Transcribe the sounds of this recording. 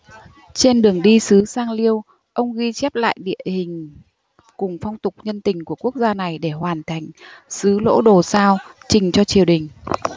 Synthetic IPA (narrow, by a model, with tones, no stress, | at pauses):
t͡ɕe˧nɗɨ˨˩əŋɗi˧sɨ˨˦saː˧ŋli˧əw | ʔə˧wŋ͡mɣi˧t͡ɕɛ˦˥p̚la̰ː˧˨jɗḭ˧˨əhï˨˩ŋ̟ | kʊ˨˩ŋ͡mfa˧wŋ͡mt̪ʊ˨˩k͡p̚ɲə˧nt̪ï˨˩ŋ̟ku˧˩əku˦˥ək̚zaː˧na˨˩jɗe˧˩hwaː˨˩nt̪ʰa˨˧˩jŋ̟sɨ˨˦lo̰˧˥ɗo˨˩saː˧wt͡ɕï˨˩ŋ̟t͡ɕɔ˧t͡ɕi˨˩əwɗï˨˩ŋ̟